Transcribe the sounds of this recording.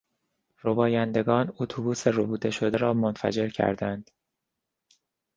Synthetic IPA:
robɒːjænd̪e̞ɡɒːnot̪ʰubuːserobuːd̪e̞ʃo̞d̪e̞ɾɒːmonfæ̰d͡ʒe̞ɾcʰæ̰ɾd̪ænd̪̥

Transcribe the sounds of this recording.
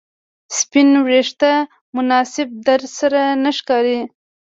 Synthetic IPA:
spɪnwɾeʂt̪a | mʊnɑsɪb̚d̪aɾzsaɾanaʃkɑːɾi

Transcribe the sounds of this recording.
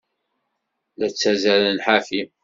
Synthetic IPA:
læt͡sːæzæɾænħafi

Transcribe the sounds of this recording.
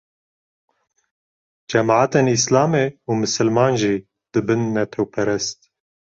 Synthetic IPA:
d͡ʒɛmʕaːt̪eːnislɑːmeːumɨsɨlmɑːnʒiː | d̪̥ɨbɨnːɛt̪ʰɛwpʰɛɾɛst̪

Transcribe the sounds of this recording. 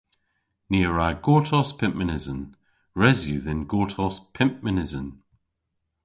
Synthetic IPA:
niəɹaɡ̥oːtʰɔspʰɪ̃mpmɪnɪzə̃n | ɹɛzjʉðɪ̃nɡoːtʰɔspʰɪ̃mp̚mɪnɪzə̃n

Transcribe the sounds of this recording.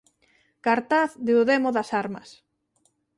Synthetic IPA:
kaɾt̪aθðeuðemoðasaɾma̰s

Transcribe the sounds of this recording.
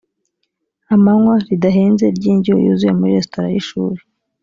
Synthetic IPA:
amaŋwaɾidaɦeːnze̞ɾɟiːɲɟio̰jṵzuje̞muɾiɾe̞stoɾa̰jiʃuːɾe

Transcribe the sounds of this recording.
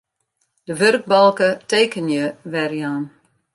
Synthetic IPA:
d̥əʋørk̚bɑlˠkəteːkənjəʋɛrjaːn

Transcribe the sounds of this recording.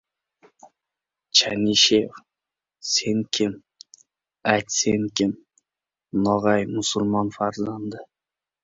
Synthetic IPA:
t͡ʃʰaniʃeq | seŋkʲʰɪm | ajt̪seŋkʲʰɪm | nɒʁɑjmʊsʊlˠmɒnfaɾzand̪ɪ

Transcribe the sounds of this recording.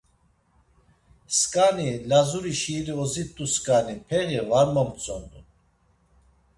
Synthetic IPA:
skʼanilazuɾiʃiɾiɔzit̪ʼuskʼanipʰɛɣivaɾməmt͡sʼɔnd̪u

